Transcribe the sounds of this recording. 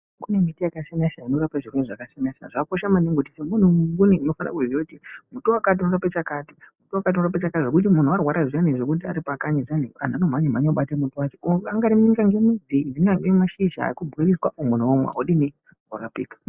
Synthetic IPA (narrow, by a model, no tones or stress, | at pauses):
kune̞mitijakasanasainorapaʐikweneʐakasanasaʐakoʃamaniŋɡotisemun̤umŋɡuniino̞fan̰a̰kuziokutimutuwakat̬inorapet͡ʃakati̥mutuakat̬inorap̬et͡ʃakatiʐe̞kut̬imun̤uarwaɾaʐianeʐekut̬ia̰ɾipakaɲiʐanea̰n̤anom̤aɲim̤aɲoɓatemutuwat͡ʃeoaŋɡaɾiniŋɡaŋɡemid͡zindiiɡaŋɡemaʃiʃɦa̰ikubʱɣeɾiswaʔomun̤uwomwḛa̰oɗine | orapḭːkḁ